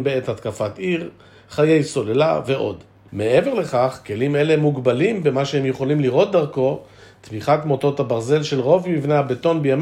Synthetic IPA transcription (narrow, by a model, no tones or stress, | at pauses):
beethatkafat̪iʁ | χaje̞jso̞lela̰ve̞ʔo̞̰d | meeveʁle̞χaχke̞lime̞lemuɡbalimbemaʃeemjeχo̞limliʁo̞t̪̚d̪aʁko̞ | t̪miχatmoto̞t̪habaʁze̞lʃe̞lʁo̞vmivnehabeto̞nbejam